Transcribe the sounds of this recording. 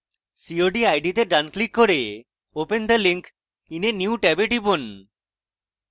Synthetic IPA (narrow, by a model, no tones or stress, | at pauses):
sioɖiajɖit̪eɖanklikːoɾe | opend̪əliŋk | inenjuuʈɛbeʈibon